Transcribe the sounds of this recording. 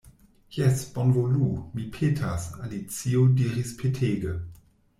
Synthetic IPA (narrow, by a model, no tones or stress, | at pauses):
jɛsb̥ɔnvoluːmipʰetʰasalit͡siːodiʁispʰetʰeːɡə